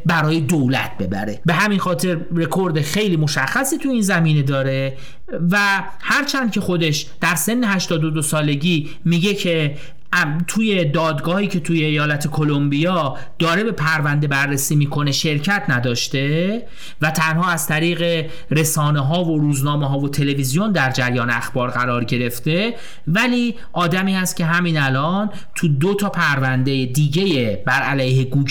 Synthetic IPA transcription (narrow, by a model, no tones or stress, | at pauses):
bæɾɒːjed̪owlæ̰t̪̚ʰbe̞bæ̰ɾe̞̰be̞ɦæminxɒːt̪ʰe̞ɾrekʰo̞ɾd̪exe̞jliːmo̞ʃæxːæsiːt̪ʰuiːnzæmiːne̞d̪ɒːɾe̞ | væ | hæɾt͡ʃʰænd̪̚cʰʲe̞xo̞d̪e̞ʃd̪̥æɾse̞nːe̞hæʃt̪ɒːd̪od̪osɒːle̞ɟiː | miɟe̞cʰe̞ | t̪ʰuːje̞d̪ɒːd̪ɡɒːhiːcʰe̞t̪ʰuːjeejɒːlæt̪ʰe̞kʰo̞lombijɒː | d̪̥ɒːɾe̞be̞pʰæɾvænd̪e̞bæɾːesiːmiːkʰo̞ne̞ʃe̞ɾcʰæt̪ʰnæd̪ɒːʃt̪e̞ | væt̪ʰænhɒːæz̥t̪ʰæɾiːɣe̞ | ɾe̞sɒːneɦɒːvo̞ɾuːznɒːmeɦɒːvo̞t̪ʰe̞le̞vizijo̞nd̪æɾd͡ʒæɾjɒːneæxb̥ɒːɾɢæɾɒːɾɟe̞ɾe̞ft̪e̞ | væliː | ʔɒːd̪æmiːhæst̪̚cʰʲe̞ɦæmiːnælɒːn | t̪ʰud̪ot̪ʰɒːpʰæɾvænd̪ejed̪iːɟe̞jebæɾælæjɦe̞ɡuː